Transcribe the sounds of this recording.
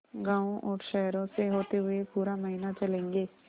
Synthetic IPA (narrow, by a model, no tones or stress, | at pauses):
ɡãːõʔɔːɾʃɛɦɾõseɦoːt̪eɦʊepuːɾamɐɦinat͡ʃɐlẽːŋɡeː